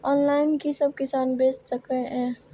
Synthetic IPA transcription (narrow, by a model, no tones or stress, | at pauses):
ɔːnlaːɪnkisəb̚kɪsaːnbeːd͡ʒsəkeɦɛ̃ː